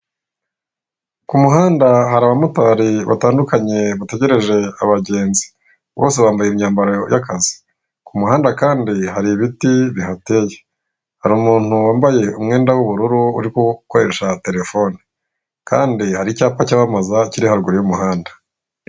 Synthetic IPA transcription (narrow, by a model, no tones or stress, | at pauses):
kumuɦaːndaɦaɾaβamutaːɾiβa̰taːndukaɲe̞βate̞ɟe̞ɾe̞ʒe̞aβaɟe̞ːnzi̥ | βo̞ːse̞βaːmbajeimɲaːmbaɾoojakazi̥ | kumuhaːndakaːndiɦaɾiβitiβihateje | haɾuːmuːn̥huwaːmbaje̞umŋe̞ːndawuβuɾuɾuṵɾikukoɾe̞ʃate̞ɾe̞fo̞ni | ka̰ːndihaɾicaːpacaβamazaciɾihaɾuɡuɾijumuɦaːndḁ